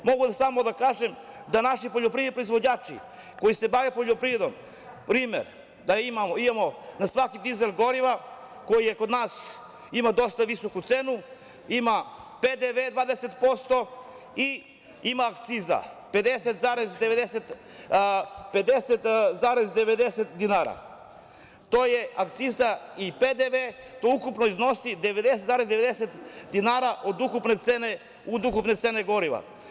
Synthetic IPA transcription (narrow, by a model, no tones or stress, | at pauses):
mo̞ɡud̪samod̪akaːʒem | d̪anaʃipoʎopɾied̪ipɾo̞izʋo̞d͡ʑɲaːt͡ʃḭ | ko̞jise̞baʋepoʎopɾied̪om | pɾiːmḛɾ | d̪aimamoimamonasʋakid̪izelɡo̞ɾiʋa | ko̞jijekod̪naːs | imad̪o̞st̪aʋisokut̪senu | imaped̪eʋed̪ʋaːd̪eset̪po̞st̪o̞ | i | imaːkt̪siza̰ped̪eset̪zaɾezd̪eʋed̪eset̪ | ped̪esɛt̪zaɾezd̪ɛʋed̪eset̪d̪inaɾa̰ | t̪ojeakt̪sizaiped̪eʋet̪oukupnoiznosid̪ɛʋed̪eset̪zaɾezd̪eʋed̪eset̪d̪inaɾaʔod̪ukupnet̪sene | ud̪ukupnet̪seneɡoɾiʋa̰